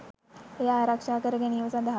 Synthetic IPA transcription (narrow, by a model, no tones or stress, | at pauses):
jaɾakʂakəɾɡeñiʋsad̪ʱa